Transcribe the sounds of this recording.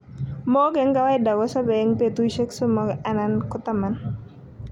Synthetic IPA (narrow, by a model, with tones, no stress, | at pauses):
mɔ˦ɡɛ˨˦ŋɡa˦wa˦ɪda˨ɡɔ˦sa˦bɛ˨˦ŋpe˨t̪u˦jʃe˦kso˦mɔ˦ɡa˦nankʊ˦t̪a˦ma˨n